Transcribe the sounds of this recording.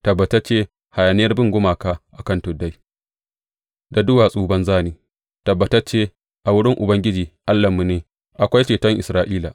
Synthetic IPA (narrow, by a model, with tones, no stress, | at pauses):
tɐ˨bːɐ˨tɐ˦rt͡ʃeː˦ | ha˨ja˨nɪ˦jɐ˦rbɪ˦ŋɡʷʊ˦maː˨kaː˦ʔa˨kɐ˦ntʊ˨dːa˦j | da˨dʊ˦waː˨sʼuː˦bɐ˦nzaː˦niː˨ | tɐ˨bːɐ˨tɐ˦t͡ʃːeː˦ | ʔa˨wʊ˦ɽɪ˦ŋʔʊ˨bɐ˦ŋɡʲɪ˦d͡ʒiː˨ʔa˦lːɐ˨mːu˦neː˨ | ʔa˨kʷa˦jt͡ʃeː˨tɐ˦ŋʔɪ˨sɾaː˦ʔiː˦la˨